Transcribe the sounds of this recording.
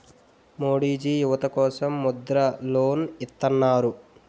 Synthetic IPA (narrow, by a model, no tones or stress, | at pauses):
moːɽiːd͡ʒijuʋɐt̪ɐkɔːsɐmːud̪ɾɐloːnit̪ːɐnːaːɾu